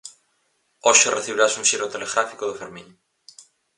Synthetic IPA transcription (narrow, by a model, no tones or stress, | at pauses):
oʃoreθiβiɾasunʃiɾot̪eleɣɾafikoðofeɾmĩɲ